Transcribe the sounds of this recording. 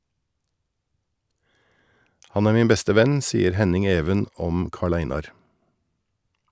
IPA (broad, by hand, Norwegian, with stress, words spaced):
ˈhɑn ˈæːɾ ˈmiːn ˈbɛstə ˈʋɛn ˈsiːəɾ ˈhɛnɪŋ ˈeːʋən ˈɔm ˈkɑːˌɭæɪnɑɾ